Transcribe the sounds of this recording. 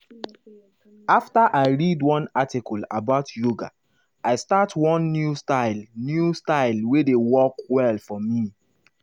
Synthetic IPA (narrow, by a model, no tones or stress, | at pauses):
aftaʔaɪɹidwɔ̃natikɔlabaʊtʰjoɡa̰ | aɪstatwɔ̃nːjustaɪlnjustaɪlwedewɔkwɛlfɔmi